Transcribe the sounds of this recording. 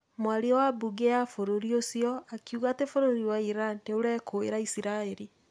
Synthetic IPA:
mwaɾiɔwabuɡejafoɾoɾiosiɔakjuɣatefoɾoɾiwaiɾanneoɾɛkʰoeɾaisiɾaeɾi

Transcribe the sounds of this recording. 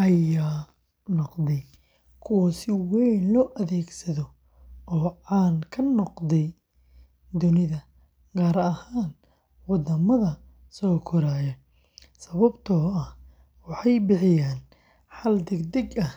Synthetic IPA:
ʔɐjaː | nɔqðɛj | kʰʊwɐsɪwɛjnlɔːʔɐðɛːɡsɐðɔ | ɔːʕɑːnkʰɐnɔqdɛj | d̪ʊnɪðɐ | ɡ̥aːɾɐhaːn | wɑðɐmɐðɐ | sɔːkʰɔɾaːjɔ | sɐβɐbt̪ʰɔːɐh | wɑħɑjbɪħɪjaːn | ħɑld̪ɛɡd̪ɛɡɐh

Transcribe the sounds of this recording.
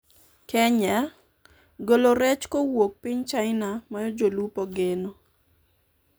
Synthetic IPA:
kɛɲɛ | ɡoloɾɛt͡ʃkowok̚piɲt͡ʃaɪnamajɔd͡ʒolupɔɡeno

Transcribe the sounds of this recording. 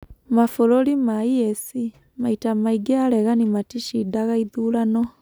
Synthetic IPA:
mafoɾolimaiɛsi | maitamaiɡɛalɛɣanimatiʃidaɣaiðulanɔ

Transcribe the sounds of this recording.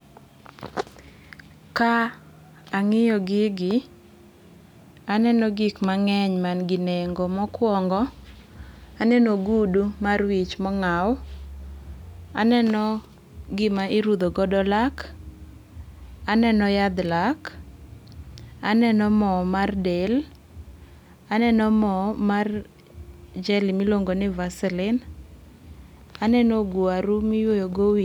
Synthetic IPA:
ka | aŋɪjɔɡɪɡɪ | anɛnɔɡikmaŋɛɲmanɡɪneŋɡɔmɔkwɔŋɡɔ | anɛnoɡudumarwit͡ʃmɔŋaw | a̰nɛnɔ | ɡɪmaɪɾud̪oɡɔdɔlak | anɛnɔjad̪lak | anɛnɔmɔmardel | anɛnɔmɔmar | d͡ʒɛlɪmiloŋɡonɪvasɛlɪn | anɛnɔɡuaɾumɪjojoɡowi

